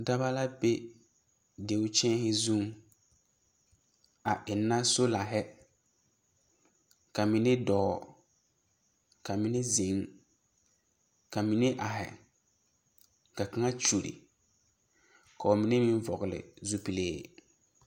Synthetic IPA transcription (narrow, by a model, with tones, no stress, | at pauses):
da˦ba˦la˦be˦ | de˨ʊ˦t͡ʃɛ̃˦ɦɪ˦zũ˦˨ŋ | a˨ʔɪ˨nːa˦so˦la˨ɦɛ˦ | ka˨mɪ˦nɪ˦dɔː˨ | ka˨mɪ˦nɪ˦zi˨˦ŋ | ka˨mi˨nɪ˦ʔa˨ɦɪ̰˨ | ka˨ka˦ŋa˦t͡ʃu˨ɾḭ˨ | ka˨ʊ˨mɪ˨˦nɪ˦mĩ˦ɱ˦vɔ˨ɣɪ˨lɪ̰˨zu˦pi˨lḛː˦˨